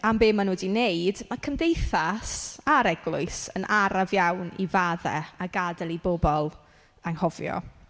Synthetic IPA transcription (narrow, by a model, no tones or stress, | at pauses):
ambeːmanuːdineɨdmakʰəmdejθasaɾɛɡlˠʊɨsənʔaɾavjawnḭvaːðɛ̰aɡadɛlˠibobɔlˠ | aŋhɔvjɔ̰